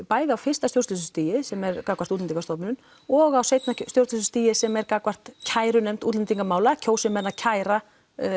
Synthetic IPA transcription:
paːjðɪawfɪrst̪ast̪jowɾst̪ʏs̬ʏst̪iːjɪsɛmɛɾkakvart̪ut̪lniŋkast̪ɔpnɪnʏn | ɔɣawseːjt̪nast̪jowɾst̪ʏs̬ʏst̪iːjɪsɛmɛɾkakvar̥t̪cʰaːjɾʏnɛm̥t̪uːt̪lɪnt̪iŋkamaːwlacʰoːwsɪmɛnːacʰaːjɾa

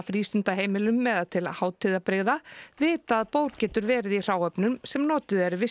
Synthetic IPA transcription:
fɾiːst̪ʏnt̪aɦeːjmɪlʏmːɛðat̪ʰɪlahaːwt̪ʰɪðapɾeɣðavɪːt̪aːðpoːwɾcɛːt̪ʏɾvɛːɾɪðir̥aːwœpnʏmsɛmnɔːt̪ʏðɛɾɪvɪ

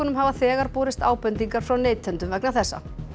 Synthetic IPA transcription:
ɔnʏmɦavaθɛːɣaɾpɔːɾɪst̪aːwpɛnt̪iŋkaɾ̥fɾawneːjt̪ʰːœnt̪ʏmvɛknaθɛsːa̰

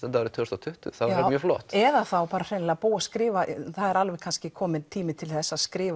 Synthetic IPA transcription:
ɛt̪avɛɾt̪ʰœst̪at̪ʰʏht̪ʏ̰θaaɾmjœːflɔ̰ːht̪ɛðaθawpaːɾar̥ɛnlapuːwaskɾɪːvaθaðɛɾalvɛɣkʰanscɪkʰɔːmɪnt̪ʰiːmɪt̪ʰɪlθɛsːaskɾɪːva

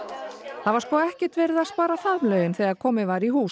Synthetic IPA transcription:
θavaɾ̥skɔːɛhcɪ̥t̪vɛːɾɪðaspaːɾaθaðmlœːɥɣɪnθɛjaɾkʰɔːmɪvaːɾiɦuː

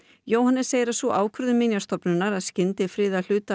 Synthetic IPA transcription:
joːwhanːɛsejɪɾasuʔaːwkʰɾʏðʏmɪnjast̪ɔpnʏnːaɾaðscɪnt̪ɪfɾɪːðal̥ʏːt̪a

